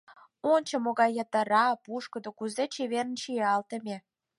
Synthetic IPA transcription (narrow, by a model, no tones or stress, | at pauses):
onʲt͡ɕə̆moɣɑjːət̪əɾɑpuʃkəd̪okuzet͡ɕeβeɾənʃijeɑlt̪ə̆mʲe